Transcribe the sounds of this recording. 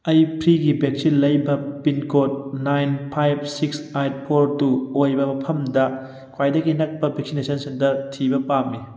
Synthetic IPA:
ɐjpʰɾiɡibek̚sinlɐjbɐpinkot̚najnpʰajb̚siksajt̚pʰoɾtuojbɐmɐpʰɐmdɐ | kʰwajdɐɡinɐk̚pɐbek̚sinesʰɐnsentɐɾtʰibɐpamːi

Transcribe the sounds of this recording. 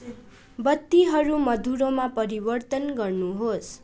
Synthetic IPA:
bʌt̪ːiɦʌɾumʌd̪uɾomapʌɾibʌrt̪ʌnɡʌrnuɦos

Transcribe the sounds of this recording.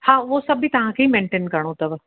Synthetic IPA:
hãːʋosɐbit̪ɐʋ̤ãkʰeːimẽːɳʈeːnkɐɾɽ̃ot̪ɐʋ

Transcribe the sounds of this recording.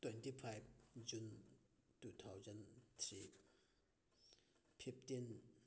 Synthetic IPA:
t̪wɛnt̪ipʰajb̚d͡ʑunt̪ut̪ʰawzant̪ʰɹi | pʰip̚t̪in

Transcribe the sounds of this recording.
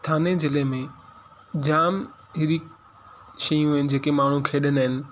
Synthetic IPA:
t̪ʰaːnezɪlemẽ | d͡ʑaːm | ɦɪɾiːk | ʃɐjũɦɪnɪ̆d͡ʑeːkemaːɳ̤ũkʰeːɗənɦɪnɪ̆

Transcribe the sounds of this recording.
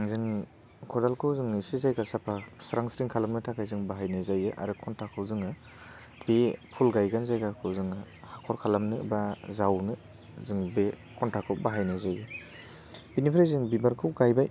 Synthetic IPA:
ŋzɯŋ | kʰɔdalkʰɯwzɯŋisizajɡasapʰasɾaŋsɾiŋkʰalamnɯtʰakʰajzɯŋbaɦajnɯzajɯʔa̰ɾɯkʰɔntʰakʰɯwzɯŋɯ | b̥ipʰulɡajɡanzajɡakʰɯwzɯŋ | hakʰɔɾkʰalamnɯbazawnɯ | zɯŋbe | kʰɔntʰakʰɯwbaɦajnɯzajɯ | binipʰɾazɯŋbibaɾkʰɯwɡajbaj

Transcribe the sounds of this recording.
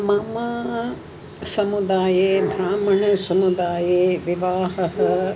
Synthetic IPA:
maːmɐ | sɐmud̪aːjeːbʱɾaːmɐɳ̃ɐsɐmud̪aːjeːʋɪʋaːɦɐɦɐ

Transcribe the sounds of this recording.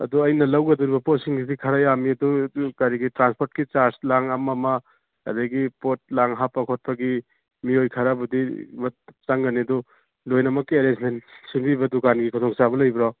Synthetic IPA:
ɐ̰duɐjnɐlɐwɡɐduɾibɐpotsiŋɡidikʰɐɾajamiɐdukaɾiɡitɾanspʰoɾtkit͡ʃaɾslaŋɐmɐmɐ̰ː | dɐjɡipot̚laŋɦapːɐkʰot̚pɐɡi | miojkʰɐɾabudimɐtt͡ʃaŋɡɐniɐdu | lojnɐmɐkːieɾesmentsimbibɐdukanɡikʰɔt̪ʰoŋsabɐlɐjbɾɔ

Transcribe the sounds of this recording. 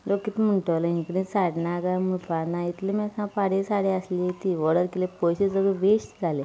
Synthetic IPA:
lokːit̪m̤əɳʈəʋlaɦĩkɽĩsaɽnaɡamupanait̪limɛkãpaɽesaɽeəslit̪iʋəɽəɾkilepojɕed͡zəɡəʋeɕd͡zʱale

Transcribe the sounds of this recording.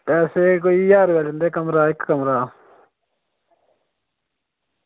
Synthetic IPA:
ɛːseːk̬oːiːjaːɾʋeːlɪnd̪eːkəmɾaːɪkːəmɾaː

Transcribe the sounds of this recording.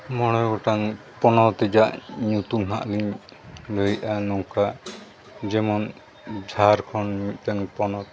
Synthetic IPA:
mɔɽ̃ɔjɡɔʈaŋ | pɔnɔt̪ɛd͡ʒaʔɲut̪uŋɦaʔliɲ | ləjʔanɔŋka | d͡ʒɛmɔn | d͡ʒʱaɾkʰɔnmit̪̚ˀtaŋpɔnɔt̪

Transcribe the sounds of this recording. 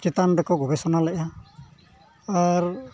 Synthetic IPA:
t͡ʃit̪anɾɛkɔɡɔbɛsɔnalɛa | aɾ

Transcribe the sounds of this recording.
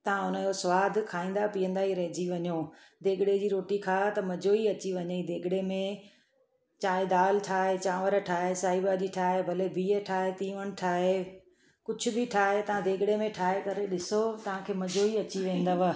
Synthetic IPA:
t̪ɐʋ̤ãʊnəd͡ʑosʊʋaːd̪ʱkʰaːĩːn̆d̪apiːə̃nd̪aɦiɾɐɦɪd͡ʑiʋɐɲoː | d̪eːɡɪɽed͡ʑiːɾoːʈikʰaːt̪ɐmɐd͡ʑoːiɐt͡ɕiʋɐɲəid̪eːɡɪɽemẽ | t͡ɕaːɦed̪aːlʈʰaːɦet͡ɕãːʋəɾəʈʰaːɦesaːibad͡ʑiʈʰaːɦebʱɐlebʱiːəʈʰaːɦet̪ĩːʋəɽ̃ɪ̆ʈʰaːɦe | kʊd͡ʑʱʰʊbɪʈʰaːɦet̪ɐʋ̤ãd̪ʱeːɡɪɽemẽʈʰaːɦekɐɾeɗɪsot̪ɐʋ̤ãkʰeːmɐd͡ʑoiɐt͡ɕiʋẽːnd̪aʋə

